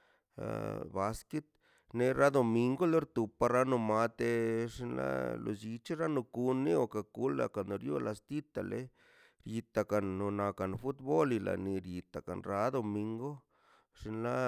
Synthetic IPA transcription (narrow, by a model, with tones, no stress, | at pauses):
ba˧ske˦t̪̚ | ne˧ɾa˦d̪o˨mi˧ŋɡo˦lo˦ɾt̪u˨pa˧ɾa˦nu˧ma˧t̪e˧ʂi˧nla̰˦lo̰˧d͡ʒi˧t͡ʃi˦ɾa˦nu˧ku˧nːi˦o˧ka˧ku˦la̰˧ka˨no˨˧ɾjo̰˦la˧st̪i˦t̪a˨lḛ˧˦ | ɾji˧t̪a˨ka˨nːo˧na˧ka˨n˨fu˦t̪bo˦li˧la̰˨ni˧ɾji˧t̪a˨ka̰˨nɾa˨˦d̪o˨mi˧ŋɡo˦ | ʂi˧nla˦